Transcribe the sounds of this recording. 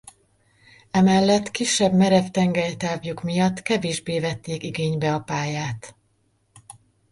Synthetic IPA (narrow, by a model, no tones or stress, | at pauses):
ɛmɛlːɛt̪kiʃːɛbmɛɾɛft̪ɛŋɡɛjt̪aːvjukmijɒt̪ːkɛveːʒbeːvɛt̪ːeːkiɡeːɲbɛɒpaːjaːt̪